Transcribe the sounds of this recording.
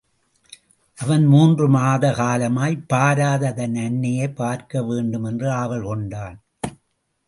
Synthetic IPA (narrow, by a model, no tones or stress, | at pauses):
ʔɐʋɐnmuːndrɯmaːðɐkaːlɐmaːjpːaːɾaːðɐðɐnɐnːɐjɐɪpːaːɾkɐʋeːɳɖɯmɛndrɯaːʋɐɭkɔɳɖaːn